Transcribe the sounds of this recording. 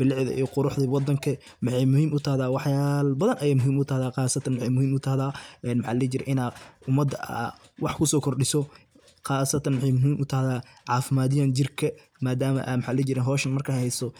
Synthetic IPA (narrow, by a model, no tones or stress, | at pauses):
b̥ɪlɪʕðɐ̰ʔḭjqʊɾʊħd̪ɐwɑd̪ɐŋkʰɐ | mɪħɑjmʊhiːmʊt̪ʰɐhðaːwɑħjaːlbɐðɐnʔɐjaːmʊɦiːmʊt̪ʰɐhðaːɑːsɐt̪ʰɐnmħɛjmʊhiːmʊt̪ʰɐhðaːʔɛːnmħɑːlɛt͡ʃɪɾɛ̰ʔɪnaːʊmɐd̪ɐa | wɑħkʰʊsɔːkʰɔrɗɪsɔ | qɑːsɐt̪ʰɐnmħɛjmʊɦiːmʔʊt̪ʰɐhðaː | ʕɑːfɪmaːðɪjaːnd͡ʒɪrkʰɐ | maːd̪aːmɐ̰ʔa̰mɪħɑːlɛt͡ʃɪɾɛnɦɔːʃɐnmɐrkʰɐhhɛjsɔ